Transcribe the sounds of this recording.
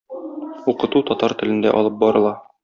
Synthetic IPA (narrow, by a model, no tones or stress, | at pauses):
uqɤ̆t̪ut̪ɒt̪ɑɾt̪ɘ̆lɘ̆nd̪æ̰ʔɒ̰lˠɤp̚bɒɾɤ̆lˠɑ